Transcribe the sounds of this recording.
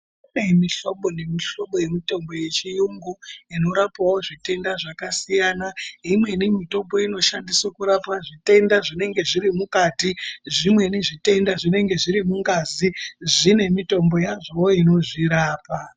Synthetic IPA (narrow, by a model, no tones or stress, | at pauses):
unemiɬo̞ɓo̞ne̞miɬo̞ɓo̞je̞mito̞mbo̞je̞t͡ʃijuŋɡoino̞ɾapawoʐite̞ndaʐakasijaːnaimwe̞nimito̞mbo̞ino̞ʃandiswakuɾapaʐite̞ndaʐine̞ŋɡe̞ʐiɾimukatiʐimwe̞niʐite̞ndaʐine̞ŋɡe̞ʐiɾimuŋɡaziʐine̞mito̞mbo̞jaʐowoino̞ʐiɾaːpa